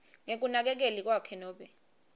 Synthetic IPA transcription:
ŋek̬unak̬ɛk̬elik̬wakʰɛnɔːɓɛ

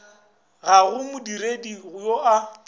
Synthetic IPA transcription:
ɣaɣʊmʊdiɾediɣʊjoʔa

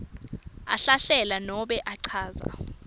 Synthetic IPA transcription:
a̰ɬaɬɛlanɔɓɛʔaǀʰaːza̰

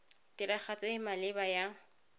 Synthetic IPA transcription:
tɪɾak͡xʰat͡sʼeɪmalɪbaja

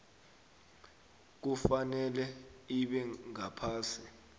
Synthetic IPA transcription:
k̬ufanɛlɛiɓɛŋapʰaːsi

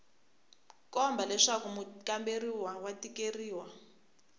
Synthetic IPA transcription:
kɔmbalɛʂakumukamberiwawatikeriːwa

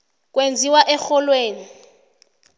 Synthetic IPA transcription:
k̬ʼwend͡zʱiwaʔɛxɔlweːni

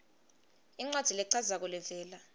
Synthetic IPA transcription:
iŋ͡ǀwad̥ʱilɛǀʰazak̬ulɛvɛːla

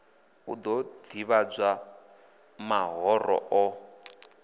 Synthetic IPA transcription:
ud̪ɔd̪iβad͡za | maɦɔrɔ̰ʔɔ

